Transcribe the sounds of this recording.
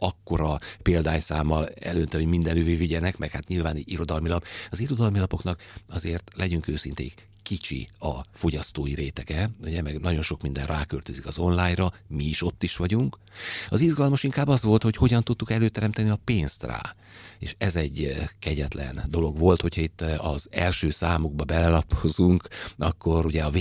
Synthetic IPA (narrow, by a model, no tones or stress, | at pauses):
ɒkːo̞ɾɒpeːld̪aːɲsaːmːɒlɛ̰løːnt̪ɛho̞ɟmind̪ɛnyːveːviɟɛnɛkmʔɛkhat̪ɲilvaːniɟiɾo̞d̪ɒlmilɒpɒziɾo̞d̪ɒlmilɒpo̞knɒkɒzeːrt̪lʔɛɟyŋkøːsint̪ḛːik | kːit͡ʃḭɒ̰fo̞ɟɒst̪oːjiɾeːt̪ɛɡɛuɟɛmɛɡnɒɟo̞nʃo̞kmind̪ɛnrʔaːkølt̪øzikɒzo̞nlaːjrɒmiːʃo̞t̪ːiʃʋɒɟuŋk | ɒzizɡɒlmɒʃiŋkaːbːɒzʋo̞lt̪ho̞cho̞ɟɒnt̪ut̪ːukɛløːt̪ɛɾɛmt̪ɛniɒpeːnst̪ra̰ː | eːʃɛzɛɟkɛɟɛt̪lɛ̰nd̪o̞lo̞ɡʋo̞lt̪ho̞cʰhɒit̪ːɒzɛlʃøːsaːmuɡ̚bɒbɛlɛlɒpʰozuŋkɒkːo̞ɾuɟɛɒv